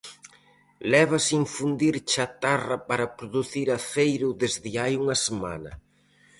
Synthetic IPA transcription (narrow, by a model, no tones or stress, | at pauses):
lɛβ̞ɐsiɱfund̪iɾt͡ʃat̪arɐpaɾɐpɾoðuθiɾaθejɾʊðezðɪajuŋɐsema̰nɐ̰